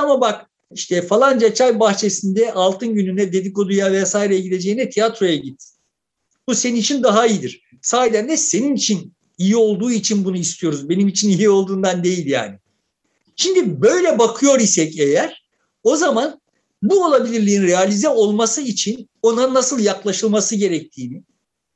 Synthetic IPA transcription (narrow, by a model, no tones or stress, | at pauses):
amabak | iʃt̪ʰɛfalˠand͡ʒat͡ʃʰajbaxt͡ʃʰe̞sind̪ɛʔalˠt̪ʰɯnɟynynɛd̪e̞d̪iko̞d̪ujavɛsaːjiɾejɛɟid̪e̞d͡ʒe̞jinɛt̪ʰijat̪ɾo̞jaɟit̪̚ | b̥use̞ninit͡ʃʰind̪aɦaijid̪iɾ̥ | saːjd̪ænd̪ɛse̞ninit͡ʃʰin | ijio̞lˠd̪uːit͡ʃʰinbunuist̪ʰijo̞ɾuzbe̞nimit͡ʃʰinijio̞lˠd̪uːnd̪and̪e̞jilʲja̰ːnɪ | ʃind̪ibø̞jlʲɛbakʰɯjo̞ɾisɛcejæɾ̥ | o̞zaman | buo̞lˠabilʲiɾlʲiːnɾealʲizɛo̞lˠmasɯit͡ʃʰino̞nanːasɯlˠjaklˠaʃɯlˠmasɯɟe̞ɾɛc̚t̪ʰiːnɪ